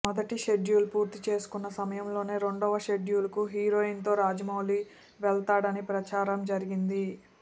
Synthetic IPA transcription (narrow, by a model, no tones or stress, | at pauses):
mɔd̪ɐʈiʃe̞ɖjuːlupuːɾt̪it͡ʃe̞ːsu̥kunːɐsɐmɐjɐmlo̞ːne̞ːɾe̞ɳɖɔːʋɐʃe̞ɖjuːlɐkuɦiːɾo̞ːint̪o̞ːɾaːd͡ʒɐmɐwli | ʋɛɭt̪aːɽɐnipɾɐt͡ʃaːɾɐmd͡ʒɐɾiɡind̪i